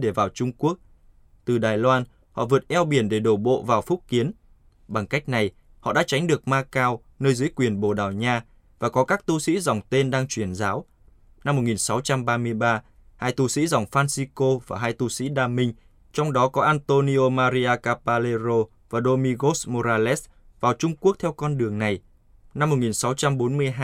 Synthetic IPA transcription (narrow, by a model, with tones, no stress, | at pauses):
ɗe˧˩vaː˨˩wt͡ɕʊ˧ŋ͡mku˦˥ək̚ | t̪ɨ˨˩ɗaː˨˩jlwaː˧n | hɔ̰˧˨vɨ˨˩ət̚ʔɛ˧wɓi˨˩ənɗe˧˩ɗo˧˩ɓo̰˧˨vaː˨˩wfʊ˦˥t̚ki˨˦ən | ɓa˨˩ŋka˦˥k̟̚na˨˩j | hɔ̰˧˨ɗa̰ː˧˥t͡ɕa˨˦jŋ̟ɗɨ˨˩ək̚maː˧kaː˧w | nəː˧jzɨ˨˦jkwi˨˩ənɓo̰˧˨˩ɗaː˨˩wɲaː˧ | vaː˨˩kɔ˨˦kaː˦˥k̚t̪u˧sḭ˧˥zɔ˨˩wŋ͡mt̪e˧nɗaː˧ŋt͡ɕwi˧˩ənzaː˨˦w | na˧mːo˨˩t̚ŋi˨˩nsa˨˦wt͡ɕa˧mɓaː˧mɨ˧əjɓaː˧ | haː˧jt̪u˧sḭ˧˥zɔ˨˩wŋ͡mfaː˧nsi˧ko˧vaː˨˩ɦaː˧jt̪u˧sḭ˧˥ɗaː˧mï˧ŋ̟ | t͡ɕɔ˧wŋ͡mɗɔ˨˦kɔ˨˦ʔaː˧nt̪o˧ni˧ʔo˧maː˧ɾi˧ʔaː˧kaː˧paː˧le˧zo˧ | vaː˨˩ɗo˧mi˧ɣo˦˥smo˧zaː˧lɛ˦˥s | vaː˨˩wt͡ɕʊ˧ŋ͡mku˦˥ək̚t̪ʰɛ˧wkɔ˧nɗɨ˨˩əŋna˨˩j | na˧mːo˨˩ŋi˨˩nsa˨˦wt͡ɕa˧mɓo˨˦nmɨ˧əjɦaː˧